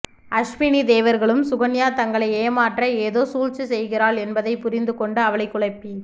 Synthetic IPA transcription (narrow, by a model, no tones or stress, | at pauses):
ɐʂminid̪eːʋɐɾɣɐɭɯmsʊɣɐnjaːt̪ɐŋɡɐɭɐɪeːmaːʈrɐeːðoːsuːɻt͡ʃɯsɛjɣɪɾaːɭɛnbɐðɐɪpʊɾɪnd̪ɯkɔɳɖɯɐʋɐɭɐɪkːʊɭɐɪpːi